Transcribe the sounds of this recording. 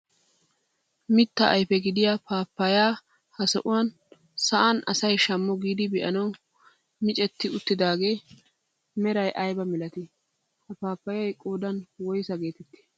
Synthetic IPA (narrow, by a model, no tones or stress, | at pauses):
mɪt̪ːɐʔɐjfɛɡɪd̪ɪjaːpaːpːɐjaː | hɐsɔ̰ʔʊwan | sɐʔanɐsɐjʃɐmːɔɡiːd̪ɪbɛʔɐnɐw | mɪt͡ʃʼɛt̪ːɪʊt̪ːɪd̪aːɡe̞ː | mɛɾɐjʔɐjbɐmɪlɐt̪ɪ | hɐpaːpːɐjɐjkʼoːd̪ɐnwɔjsɐɡe̞ːt̪ɛt̪ːɪ̥